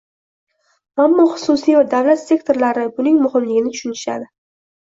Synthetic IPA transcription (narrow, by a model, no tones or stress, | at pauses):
amːɒχʊ̥sʊsijɒɾd̪avlat̪se̞kt̪ʰo̞ɾlaɾɪbʊnɪŋmʊhɪmlɪɡʲɪnɪt̪ʰʊ̥ʃʊnɪʃa̰d̪ɪ